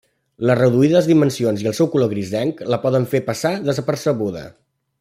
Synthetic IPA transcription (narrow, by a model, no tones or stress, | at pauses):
lərəðuiðəzðimənsionziəlˠsɛwkuloɣɾizðɛŋkləpɔðəɱfepəsaðəzəpərsəɣuðə̰